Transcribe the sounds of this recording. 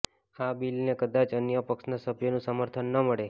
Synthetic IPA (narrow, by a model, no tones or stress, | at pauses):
abilnekəd̪at͡ʃənjəpəkʃnasəbʱjonũsəməɾt̪ʰənːəməɭe